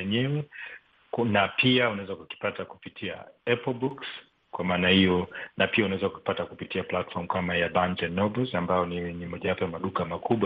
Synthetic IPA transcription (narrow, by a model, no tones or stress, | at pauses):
ɛɲɛwɛ | napʰiaunawɛzakuki̥pataku̥pitʰia̰ɛpɔl̩buks | kwamaːnahijɔnapiaunawɛzakuki̥patakupitiaplatfɔɾm̩kamajabantɛnːɔbɛlzambajɔniwɛɲɛmɔʄawapɔjamaɗukamakuɓwa